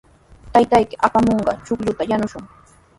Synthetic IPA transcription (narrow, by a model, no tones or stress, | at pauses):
t̪ajt̪ajkɪʔapamoɴɢɑ̰t͡ʃʊkʎʊt̪ajanʊʃʊŋ